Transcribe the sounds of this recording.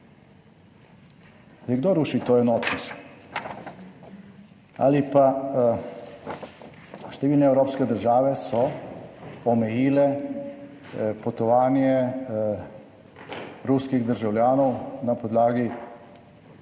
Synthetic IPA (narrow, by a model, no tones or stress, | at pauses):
sɛɡd̪oɾuʃit̪oːjɛnoːt̪is | a̰lipa | ʃt̪ɛʋiːlnɛːwɾoːpskɛd̪əɾʒaːʋɛsɔː | mɛjiːlɛ | pot̪ɔʋaːnjɛ | ɾuskiɣd̪əɾʒawljaːnɔwnapod̪laːɡi